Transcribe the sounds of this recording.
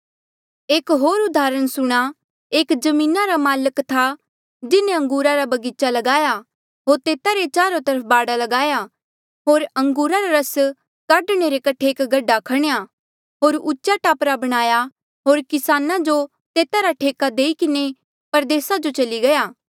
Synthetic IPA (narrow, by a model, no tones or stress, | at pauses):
eːkɦoːɾʊd̪aːɾəɽ̃sʊɽ̃a | eːkd͡ʒɐmĩːnaɾamaːləkt̪ʰa | d͡ʒɪnẽɐ̃ŋɡuːɾaɾabɐɡiːt͡ʃalɐɡaːja | ɦoːɾt̪eːt̪aɾet͡ʃaːɾot̪ɐɾəpʰbaːɽalɐɡaːja | ɦoːɾɐ̃ŋɡuːɾaɾaɾɐs | kaːɖɽ̃eɾekɐʈʰeeːkɡɐɖːakʰɐɽ̃eja | ɦoːɾʊːʃaʈaːpɾabɐɽ̃aːja | ɦoːɾkɪsaːnad͡ʒo | t̪eːt̪aɾaʈʰeːkad̪eːikɪne | pɐɾd̪eːsad͡ʒot͡ʃɐliɡɐjaː